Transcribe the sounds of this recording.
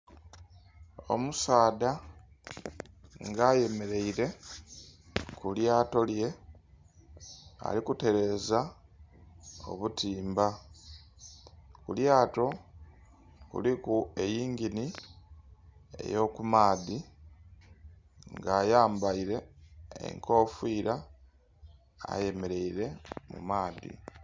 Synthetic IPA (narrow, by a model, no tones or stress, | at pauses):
o̞̰musaːda | ŋɡaje̞me̞ɾe̞iɾe̞ | kuljaːto̞lje̞ | a̰likute̞ɾe̞ːza | o̞̰βutʰiːmba | kuljaːto̞ | kṵlikuejiːŋɡini | ḛjo̞kumaːði | ŋɡaːjaːmbaiɾe̞ḛŋko̞ːfwiːɾa | a̰je̞me̞ɾe̞iɾe̞mṵmaːðḭ